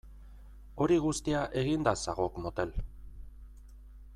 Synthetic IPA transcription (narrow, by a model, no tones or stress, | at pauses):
o̞ɾiɣust̪iaʔe̞ɣind̪asaɣo̞kmo̞t̪e̞l